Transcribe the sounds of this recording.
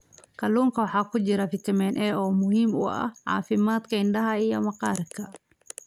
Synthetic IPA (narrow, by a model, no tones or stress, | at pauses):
kɐluːŋkɐwɐħaːkʊd͡ʒɪɾɐfɪt̪ɪmɛnʔɛːɔːmʊhiːmʊ̰ɐ̰ʕa̰ːfɪmaːt̪kɐɪnɖɐɦɐɪjɔmɐqɑːɾkɐ